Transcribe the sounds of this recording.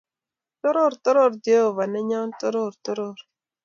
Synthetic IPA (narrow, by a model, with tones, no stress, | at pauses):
t̪ɔ˦ɾɔ˦˨ɾt̪ɔ˦ɾɔ˦˨ɾd̪jo˦˨va˨nɛ˦ɲa˦nt̪ɔ˦ɾo˦˨ɾt̪ɔ˦ɾo˦˨ɾ